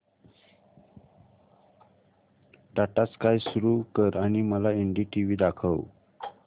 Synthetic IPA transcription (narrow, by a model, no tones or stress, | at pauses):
ɖaʈaskajsuɾukəɾaɽ̃iməlaeɳɖiːʈiʋiːd̪akʰəʋ